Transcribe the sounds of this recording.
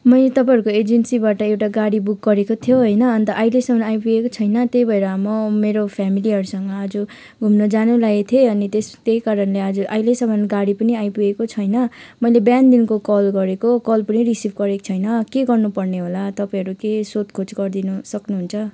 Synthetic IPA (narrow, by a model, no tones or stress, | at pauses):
mʌjlet̪ʌpãjɦʌɾukoed͡zensibaʈʌewʈaɡaɽibuk̚ɡʌɾekot̪ʰjoɦʌjnʌːnt̪ʌʔailesʌmʱʌnajpuɡekot͡sʰʌjnʌt̪ejbʱʌeɾʌmʌmeɾopʰjamiliɦʌɾusʌŋmʌːd͡zu | ɡʱumnʌd͡zanulaet̪ʰeʌnit̪est̪ejkaɾʌnleʌd͡zuʔailesʌmʱʌnɡaɽipʌniajpuekot͡sʰʌjnʌmʌjlebjand̪inkokʌlɡʌɾekokʌlpʌniɾisibʱɡʌɾekt͡sʰʌjnʌkeɡʌrnupʌrneɦolat̪ʌpaj̃ɦʌɾukesot̪kʰot͡sɡʌrd̪inusʌknuɦunt͡sʰʌ